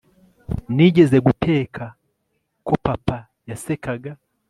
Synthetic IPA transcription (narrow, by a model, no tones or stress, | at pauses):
niɟezeɡutʰe̞ːkʰa | kopapa | jasekaɡa